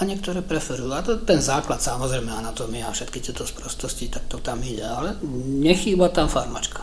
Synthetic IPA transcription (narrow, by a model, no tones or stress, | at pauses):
aɲɪɛk̚t̪ɔɾɛːpɾɛfɛɾujuat̪ɔt̪ɛnzaːklat̪samɔzɾɛjmɛanat̪ɔːmiafʃɛt̪kit̪ɪɛt̪ɔspɾɔst̪ɔscit̪ak̚t̪ɔt̪amiɟɛalɛɲɛxiːbat̪amfaɾma̰t͡ʃkkḁ